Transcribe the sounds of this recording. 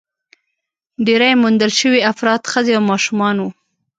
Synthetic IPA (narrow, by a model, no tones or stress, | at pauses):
ɖeɾajmund̪əlʃəwiafɾɑt̪xəzeawmɑʃumɑnwu